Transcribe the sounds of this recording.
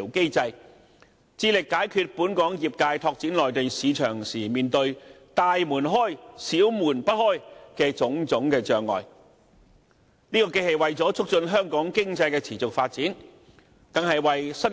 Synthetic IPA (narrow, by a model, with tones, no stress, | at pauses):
wke˥jt͡sɐ˧j | t͡siː˧lɪ˨kːaː˨˥jkʰyː˧t̚puː˨˥nkɔː˨˥ŋjiː˨p̚kaː˧jt̪ʰɔː˧k̚t͡siː˨˥nlɔː˨˩jt̪e˨jsiː˨˧t͡ʃʰœː˨˩ŋsiː˨˩miː˨nt̪ɵ˧ɥ | t̪aː˧jmuː˨˩nɦɔː˥˩jsiː˨˥wmuː˨˩npɐ˥t̚hɔː˥jkɛː˧t͡sʊ˨˥ŋt͡sʊ˨˥ŋkɛː˧t͡ʃœː˨ŋːɔ̰ː˨j | niː˥kɔː˧ke˥jhe˨˧jwɐ˨jt͡sɔː˨˥t͡sʰʊ˥k̚t͡ʃɵ˧nɦœː˥ŋkɔː˨˥ŋkɪ˥ŋt͡sɐ˧jkɛː˧t͡sʰiː˨˩t͡sʊ˨k̚faː˧t̚t͡siː˨˥n | t̪ɐ˨˩ŋhɐ˨jwɐ˨jsɐ˥n